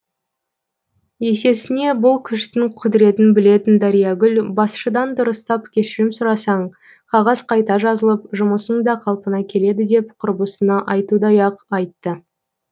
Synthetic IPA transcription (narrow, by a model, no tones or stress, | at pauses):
je̞se̞sɪne̞bʊlˠkʲʰʏʃt̪ɪŋqʰʊd̪ɪɾe̞t̪ɪnbɪle̞t̪ɪnd̪ɑɾijɑɡʲʏlbɑsʃəd̪ɑnd̪ʊɾəst̪ɑpkʲʰe̞ʃɪɾɪmsʊɾɑsɑɴ | qʰɑʁɑz̥qʰɑjt̪ɑʒɑzəlˠəpʒʊməsəɴd̪ɑqʰɑlˠpənɑkʲʰe̞le̞d̪ɪd̪e̞pqʰʊɾbəsənɑʔɑjt̪ud̪ɑjɑqɑjt̪ːə